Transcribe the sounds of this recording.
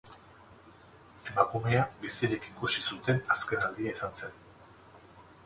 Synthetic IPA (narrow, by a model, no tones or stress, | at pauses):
e̞makume̞abisiɾekikusisut̪e̞naske̞nald̪iaisanse̞n